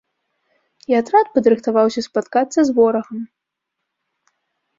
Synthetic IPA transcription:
iat̪ɾat̪̚pɐd̪ɾɨxt̪avawsʲɐspat̪kat̪sːɐzvɔɾɐɣɐm

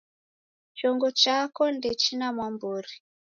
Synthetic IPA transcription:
t͡ʃɔŋɡɔt͡ʃakɔndɛt͡ʃinamwambuɾi

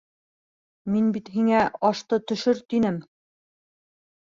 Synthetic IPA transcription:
minbit̪ɦiŋæɑʃt̪ɤt̪ɵ̆ʃɵɾt̪inɘm

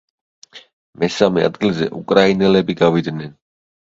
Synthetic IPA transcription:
mɛsamɛa̰d̪ɡilzɛ̰ʔukʼɾainɛlɛbiɡavid̪nɛn

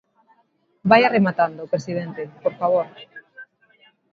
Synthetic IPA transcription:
bajaremat̪and̪opɾesiðent̪epoɾfaβ̞oɾ

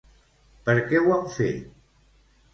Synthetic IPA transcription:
pəɾkɛwawfḛt̪

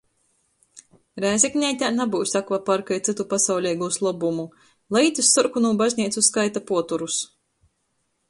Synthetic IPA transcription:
ɾæːzʲɛknʲɛjt̪ʲaːnabuwsʲakvapaɾkajt̪sɨt̪upasawlʲɛːɡuslˠɔbumu | lˠajt̪ʲusːɔɾkunuːbazʲnʲiɛt̪suskajt̪apuɔt̪uɾus

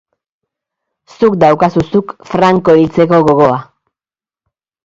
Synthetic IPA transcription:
sukd̪awkasusukfɾaŋko̞ilt͡se̞ko̞ɣo̞ɣ̞o̞a

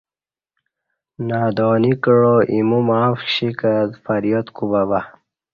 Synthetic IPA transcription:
naːd̪oːnikəɻoʔimumaːfɕikad̪faɾjot̪kubaba

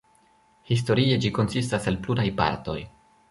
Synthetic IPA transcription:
his̬to̞ɾie̞d͡ʒiko̞nsistasalpluɾajpa̰ɾto̞̰j

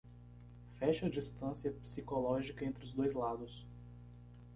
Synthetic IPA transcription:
fɛʃɐd͡ʒist̪ɐ̃siɐpsikolɔʒikɐẽnt̪ɾɪʊzd̪ojzlad̪ʊs

